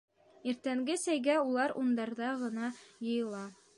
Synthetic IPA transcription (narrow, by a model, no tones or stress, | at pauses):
iɾt̪æŋɡɘsæjɡæulˠɑɾund̪ɑɾðɑʁɤ̆nɑjɤ̆jɤ̆lˠɑ